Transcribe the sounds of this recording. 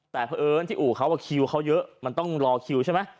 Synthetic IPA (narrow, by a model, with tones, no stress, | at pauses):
t̪ɛː˨˩pʰaː˧ʔɤː˧˦nt̪ʰiː˥˩ʔuː˨˩kʰa˦˥waː˧˩kʰi˧wkʰa˦˥wjɤ˦˥ʔma˧nt̪ɔ˥˩ŋɾɔː˧kʰi˧wt͡ɕʰa˥˩ma˦˥